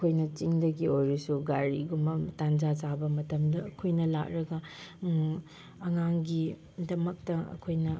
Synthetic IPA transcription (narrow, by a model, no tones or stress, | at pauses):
kʰojnɐt͡ʃiŋdɐɡiojɾisuɡaɾiɡumbɐtand͡ʒazabɐmɐtɐmdɐːkʰojnɐla̰k̚ɾɐɡɐ | ɐŋaŋɡi | dɐmɐk̚tɐɐ̰kʰojnɐ